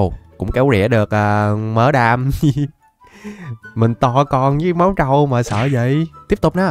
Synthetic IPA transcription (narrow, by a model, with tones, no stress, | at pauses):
wkʊ̰˧˥ŋ͡mkɛ˨˦wɗḭ˧˩əɗɨ˨˩ək̚ʔaː˨˩məː˨˦ɗaː˧m˧ | mï˨˩ŋ̟t̪ɔ˧˩kɔ˧˩nɲɨ˨˧˦ma˨˦wt͡ɕə˧wmaː˨˩sə̰ː˧˨zə̰˧˨jt̪i˦˥əp̚t̪k͡p̚na˨˦